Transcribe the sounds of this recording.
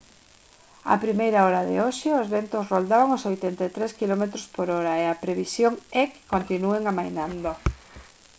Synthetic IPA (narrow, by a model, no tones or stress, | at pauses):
a̰pɾimejɾaɔɾaðḛoʃeozβent̪osrold̪aβaŋosojt̪ent̪et̪ɾeskilomet̪ɾospoɾɔɾaeapɾeβisjoŋɛkːont̪inueŋamajnand̪o